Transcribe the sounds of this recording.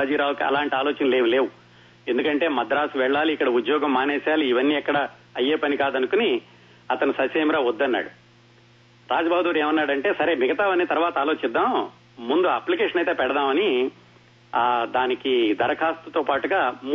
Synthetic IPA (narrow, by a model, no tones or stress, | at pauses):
d͡ʒiːɾaːwɐkiɐ̰laːɳʈiaːloːt͡ʃɐnle̞ːʋule̞ːwu | e̞nd̪ukɐɳʈe̞ːmɐd̪ɾaːsuʋɛɭːaːliːkːɐɽɐud̪jɔːɡɐmːaːnɛːsaːliːʋɐnːiːɛkːɐɽɐ | ɐjːeːpɐnikaːd̪ɐnukuni | ɐt̪ɐnusɐseːmɾaːʋɔd̪ːɐnːa̰ːɽu | ɾaːd͡ʒɐbaːbd̪uːɾeːmɐnːaːɽɐɳʈe̞ːsɐɾe̞ːmiɡɐt̪aːʋɐnit̪ɐɾʋaːt̪ɐaːlo̞ːt͡ʃid̪ːaːm | mund̪uɐplikeːʂɐnɐjt̪eːpɛɽɐd̪aːmɐni | d̪aːnikid̪ɐɾɐkʰaːst̪ut̪oːpaːʈuɡaːm